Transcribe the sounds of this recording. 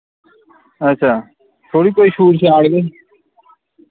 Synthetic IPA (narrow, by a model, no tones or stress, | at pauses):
ət͡ʃʰaː | t̪ʰoːɽiːkoːiːʃʰuːʈt͡ʃʰiaːɽɡeː